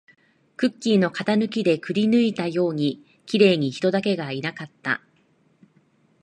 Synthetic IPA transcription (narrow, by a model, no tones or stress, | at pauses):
kɯ̟kʲːiːno̞kat̪anɯ̟k̬ʲid̪e̞kɯ̟ɾʲinɯ̟it̪ajo̞ːɲ̟i | kʲiɾe̞ːɲ̟içi̥t̪o̞d̪ake̞ɡainakat̪ːa̰